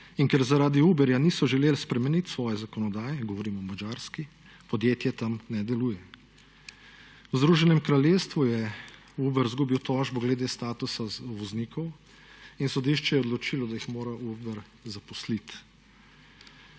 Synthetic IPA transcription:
iŋkɛɾzaɾaːd̪iubɛɾjaniːsɔʒɛleːlspɾɛmɛnit̪sʋɔːjɛzakɔnɔd̪aːjɛɡɔʋɔɾiːmɔmad͡ʒaːɾski | pɔd̪jeːt̪jɛt̪amnɛd̪ɛluːjɛ | wzd̪ɾuːʒɛnɛmkɾaljeːst̪ʋujɛ | ubɛɾzɡuːbiwt̪ɔːʒbɔɡlɛd̪eːst̪aːt̪usaʋɔzniːkʰɔw | insɔd̪iʃt͡ʃɛjɛɔd̪lɔt͡ʃiːlɔd̪ajixmoːɾaʔubɛɾ | zapɔslit̪

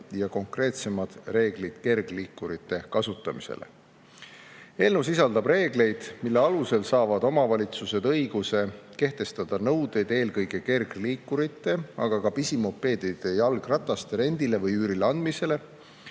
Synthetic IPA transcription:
jɑko̞ŋkre̞ːt̪se̞mɑd̪̥re̞ːɡ̥lid̪̥ke̞rɡ̥liːkːˑuɾit̪ːˑe̞kɑsut̪ːˑɑmise̞̰lḛ | e̞lnus̬isɑld̪ɑb̥re̞ːɡ̥le̞jd̪̥milːe̞ɑluse̞lsɑːvɑd̪̥o̞mɑvɑlʲit̪suse̞d̪̥ɤjɡ̥use̞ke̞ht̪e̞st̪ɑd̪̥ɑnɤwd̪e̞jd̪e̞ːlkɤjɡe̞ke̞rɡliːkːuɾit̪ˑːe̞ɑ̰ɡ̥ɑkɑpisimo̞pːˑe̞ːd̪id̪̥ejɑlɡ̥rɑt̪ːˑɑst̪eɾe̞nd̪̥ile̞vɤjyːɾileɑnd̪mise̞le̞

